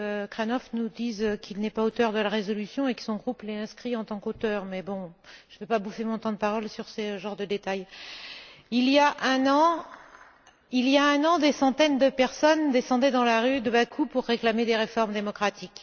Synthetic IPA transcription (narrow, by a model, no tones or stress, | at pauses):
økχanɔfnud̪izøkʰilnɛpaot̪œʁd̪əlaʁezɔlysjɔ̃ekə̥sɔ̃ɡʁuplɛɛ̃skχiɑ̃t̪ɑ̃kot̪œːʁmɛbɔ̃ʒ̥əvɛpabufemɔ̃t̪ɑ̃d̪əpaʁɔlsyʁsəʒɑ̃ʁd̪əd̪et̪aj | ilijaʔɛ̃nɑ̃ | iljaɛ̃nɑ̃d̪esɑ̃t̪ɛnd̪əpɛʁsɔnd̪esɑ̃d̪ɛd̪ɑ̃laʁyd̪əbakʰupuʁːeklamed̪eʁefɔʁmd̪emɔkχat̪ʰik